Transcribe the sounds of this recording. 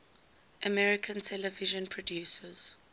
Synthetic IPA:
ʔəmɛɹɪkʰə̃ntʰɛləvɪʒə̃npʰɹɔdjuːsəz̥

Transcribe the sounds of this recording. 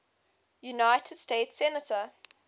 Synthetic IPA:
junaɪtʰəd̥steɪtsɛnətʰə

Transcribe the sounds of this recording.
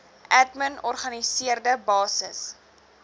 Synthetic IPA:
ʔætmənɔrχɐnisiərdəbɑːsəs

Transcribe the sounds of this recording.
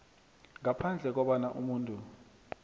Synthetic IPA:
ŋapʰand͡ɮʱɛk̬ɔɓanaʔumuːntʼu

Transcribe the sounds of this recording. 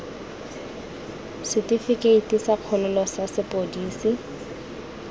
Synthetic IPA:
sɪtifikeitisaq͡χʰɔlʊlɔsasɪpʼodiːsi

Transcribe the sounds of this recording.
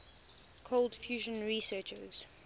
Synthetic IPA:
kʰolˠdfjuːʒə̃nɹisɜt͡ʃə̰z̥

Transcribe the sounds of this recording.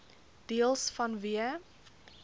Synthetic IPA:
d̥iəlˠsfɐnviə

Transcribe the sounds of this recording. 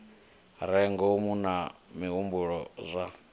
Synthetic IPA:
ɾɛŋɡɔmunamiɦumbuɺɔzʷa

